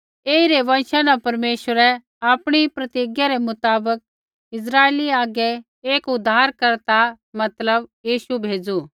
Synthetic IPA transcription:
eːiɾeʋɐ̃nʃanapɐɾmeːʃʋəɾɛ | aːpɽ̃ipɾɐt̪iɡjaɾɛmʊt̪aːbək̚ | ɪs̬ɾaːeliaːɡɛ | eːkʊd̪ʱːaːɾkɐɾt̪a | mɐt̪ləbjiːʃubʱeːd͡zu

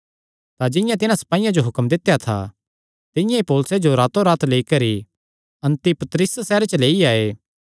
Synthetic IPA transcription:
t̪ad͡ʒɪ̃jãt̪ɪnãsɐ̥paːijãd͡ʒoɦʊkmd̪ɪt̪ːjat̪ʰa̰ | t̪ɪ̃jãipoːlʊsed͡ʒoɾaːt̪oɾaːt̪ʰleːikɐɾi | ɐ̃nt̪ipɐt̪ɾɪssɛːɾet͡ʃəleːiaːeː

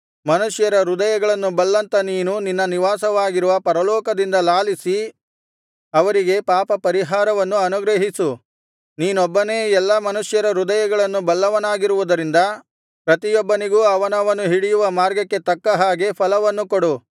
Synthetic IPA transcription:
mɐnuʂjɐɾɐɾud̪ɐjɐɡɐɭɐnːubɐlːɐnt̪ɐniːnuninːɐniʋaːsɐʋaːɡiɾuʋɐpɐɾɐlɔːkɐd̪ind̪ɐlaːlisi | ɐʋɐɾiɡe̞paːpɐpɐɾiɦaːɾɐʋɐnːuɐnuɡɾɐɦisu | niːnɔbːɐneːɛlːɐmɐnuʂjɐɾɐɾud̪ɐjɐɡɐɭɐnːubɐlːɐʋɐnaːɡiɾuʋud̪ɐɾind̪ɐ | pɾɐt̪ijɔbːɐniɡuːɐʋɐnɐʋɐnːuɦiɽijuʋɐmaːɾɡɐkːe̞t̪ɐkːɐɦaːɡe̞pʰɐlɐʋɐnːukoɽu

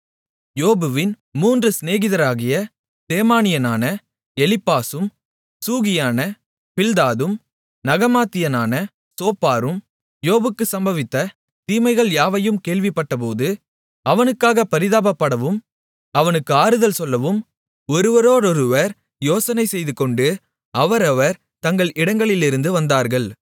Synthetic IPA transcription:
joːbɯʋɪn | muːndrɯsneːɣɪðɐɾaːɣɪjɐ | t̪eːmaːnɪjɐnaːnɐ | ɛlɪpːaːsɯm | suːɣɪjaːnɐ | pɪld̪aːðɯm | nɐɣɐmaːt̪ːɪjɐnaːnɐ | soːpːaːɾɯm | joːbɯkːɯsɐmbɐʋɪt̪ːɐ | t̪iːmɐɪɣɐɭjaːʋɐjɯmkeːɭʋɪpːɐʈːɐp̬oːðɯ | ɐʋɐnɯkːaːɣɐpɐɾɪðaːbɐpːɐɽɐʋɯm | ɐʋɐnɯkːɯaːɾɯðɐlsɔlːɐʋɯm | ɔɾɯʋɐɾoːɾɔɾɯʋɐɾ | joːsɐnɐɪsɛjðɯkːɔɳɖɯ | ʔɐʋɐɾɐʋɐɾ | t̪ɐŋɡɐɭɪɽɐŋɡɐɭɪlɪɾɯnd̪ɯʋɐnd̪aːɾɣɐɭ

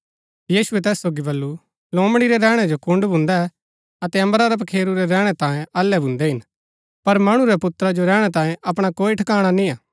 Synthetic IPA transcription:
jiːsʊɛt̪ɛːsːoːɡibɐlːu | lõːmɽ̃iɾɛɾɛːɽ̃ɛd͡ʒokʊ̃ɳɖbʱʊ̃nd̪a | ɐt̪ɛɐ̃mbəɾaɾɐpɐkʰeːɾuɾɛɾɛːɽ̃ɛt̪ãːjẽʔɐlːɛbʱʊ̃nd̪ɛɦɪn | pɐɾmɐɽ̃uɾɛpʊt̪ɾad͡ʒoɾɛːɽ̃ɛt̪ãːjẽʔɐp̬ɽ̃akoːiʈʰəkaːɽ̃anĩːaː

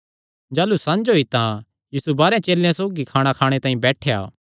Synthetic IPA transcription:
d͡ʒaːlusãnd͡ʒoit̪ã | jiːsubaːɾãt͡ʃeːljãsoːɡikʰaːɽ̃akʰaːɽ̃et̪ãːĩbɛːʈʰeja̰ː

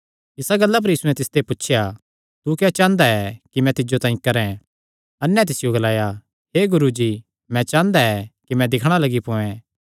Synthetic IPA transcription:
ɪsaɡɐlːap̬ɐɾjiːsuɛ̃t̪ɪst̪epʊtːʃʰja | t̪ukɛt͡ʃãːnd̪aɛkimɛ̃t̪ɪd͡ʒot̪ãːĩkɐɾɛ̃ | ɐnːɛ̃t̪̬ɪsɪjoɡɐlaːja | ɦeːɡʊɾud͡ʒiː | mɛ̃t͡ʃãːnd̪aɛkimɛ̃d̪ɪkʰɽ̃alɐɡipõːɛ̃

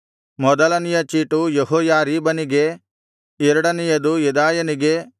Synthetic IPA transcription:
mɔd̪ɐlɐnijɐt͡ʃiːʈujeɦɔːjaːɾiːbɐniɡe̞ | iɾɐɽɐnijɐd̪ujud̪aːjɐniɡe̞

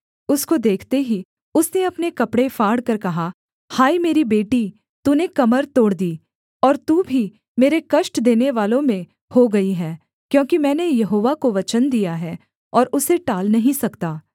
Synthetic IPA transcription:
ʊskod̪eːkʰt̪eɦi | ʊsneɐpnekɐpɽefʰaːɽkɐɾkɐɦa | haːimeːɾibeːʈi | t̪unekɐməɾt̪oːɽd̪iː | ɔːɾt̪uːbʱi | meːɾekɐʃʈd̪eːneʋaːlõmẽ | hoɡɐiɦɛː | kjõːkimɛ̃ːnejɐɦoːʋakoʋɐt͡ʃənd̪ijaɦɛː | ɔːɾʊseʈaːlnɐɦĩsɐkt̪aː

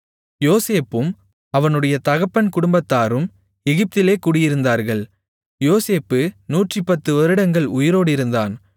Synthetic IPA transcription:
joːseːpːɯm | ɐʋɐnɯɽɐjɐt̪ɐɣɐpːɐnkʊɽʊmbɐt̪ːaːɾɯm | ɛɣɪp̚t̪ɪleːkuːɽɪjɪɾɯnd̪aːɾɣɐɭ | joːseːpːɯnuːʈripːɐt̪ːɯʋɐɾɯɽɐŋɡɐɭʊjɪɾoːɽɪɾɯnd̪aːn

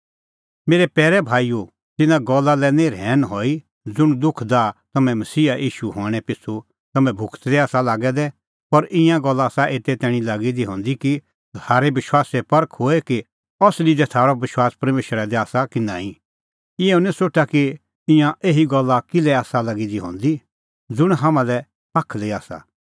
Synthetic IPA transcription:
meːɾɛpɛːɾɛbʱaːiju | t̪ɪnãɡɔlːalɛnẽɾɛːnɦɔːi | d͡zʊɽ̃d̪ʊkʰd̪at̪ɐmɛ̃mɐsiːaʔiːʃuɦɔːɽ̃ɛpɪt͡sʰu | t̪ɐmɛ̃bʱʊkʰt̪d̪ɛaːsalaːɡɛd̪ɛ | pɐɾɪ̃jãɡɔlːaːsaʔeːt̪ɛt̪ɛːɽ̃ĩlaːɡid̪iɦɔ̃ːnd̪iki | t̪ʰaːɾɛbɪʃwaːsɛpɐɾəkʰɦoɛki | ɔslid̪ɛt̪ʰaːɾɔbɪʃwaːspɐɾmeːʃəɾad̪ɛaːsakɪnãːĩ | ɪɛũnɛ̃soːʈaki | ɪ̃jãʔeːɦiɡɔlːakɪlɛaːsalaɡid̪iɦɔ̰̃ːnd̪i | d͡zʊɽ̃ɦaːmãlɛ | pakʰleaːsa̰

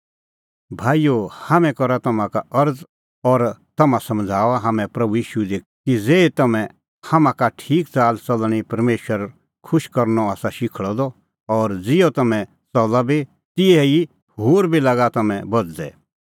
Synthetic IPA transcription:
bʱaːijohamɛ̃kɔɾat̪ɐmãkaɐɾd͡z | ɔɾt̪ɐmãsɐmd͡zʱaːʋaɦɐmɛ̃pɾɐbujiːʃuɛd̪e | kid͡zeːt̪ɐmɛ̃ | hɐmãkaʈʰiːkt͡saːlt͡sɐlɽ̃ipɐɾmeːʃəɾ | kʰʊʃkɐɾnɔaːsaʃɪkʰɭɔd̪ɔ | ɔːɾd͡zɪjot̪ɐmɛ̃ | t͡sɔlabʱi | t̪ɪɛi | ɦoːɾbʱilaɡat̪ɐmɛ̃bɐd͡zd̪ɛ̰

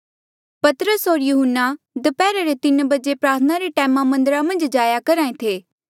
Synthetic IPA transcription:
pɐt̪ɾəsɦoːɾjuɦənːa | d̪əpɛːɾaɾet̪ɪnbɐd͡ʒepɾaːɾt̪ʰənaɾeʈɛːmamɐ̃nd̪ɾamɐ̃nd͡ʒd͡ʒaːjakɐɾaːẽt̪ʰeː

